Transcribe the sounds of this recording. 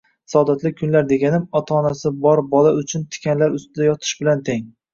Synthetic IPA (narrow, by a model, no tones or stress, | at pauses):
sɒd̪at̪lɪkʲʰʊnlaɾd̪e̞ɡʲanɪmɒt̪ʰaːnasɪbɒɾbɒlaʊt͡ʃʰʊnt̪ʰɪ̥kʲʰanlaɾʊst̪ɪd̪ajɒt̪ʰɪ̥ʃbɪlant̪ʰeŋ